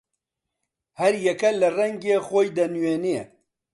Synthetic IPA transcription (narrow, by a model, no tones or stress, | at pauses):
hɐɾjɛkɐlɐrɛŋɡeːxoːjd̪ɐnweːnie